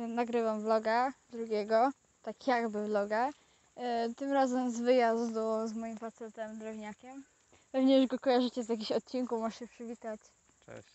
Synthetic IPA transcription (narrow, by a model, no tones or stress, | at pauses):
naɡɾɘvamblɔɡad̪ɾuɡʲɛɡɔ | t̪akjaɡbɘvlɔɡa | t̪ɘmɾazɛmzvɘjazd̪uzmɔjimfat̪sɛt̪ɛmd̪ɾɛvɲakʲɛm | pɛvɲɛjuʐɡɔkɔjaʐɘt͡ɕɛzjak̬ʲiɕɔt̪̚t͡ɕinkumaʂɕɛpʂɘvʲit̪at͡ɕ | t͡ʂɛ̰ɕ